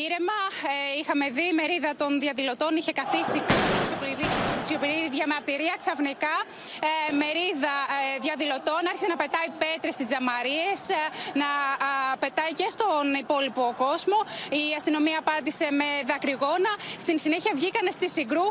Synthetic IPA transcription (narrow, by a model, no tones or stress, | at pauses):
iɾe̞mɐixɐme̞ðime̞ɾiðɐt̪o̞nðjɐðilo̞t̪o̞niçe̞kɐθisikɐt̪sçopliɾiisço̞piɾiðʝɐmɐɾt̪iɾiɐksɐfnikɐ | me̞ɾiðɐðʝɐðilo̞t̪o̞nɐɾçi̥senɐpe̞t̪ɐipet̪ɾest̪izɐmɐɾie̞snɐpe̞t̪ɐice̞st̪o̞nipo̞lipo̞ko̞zmo̞iɐst̪ino̞miɐːpɐnd̪ise̞me̞ðɐkɾiɣo̞nɐst̪insine̞çiɐvʝikɐne̞st̪isiɡɾu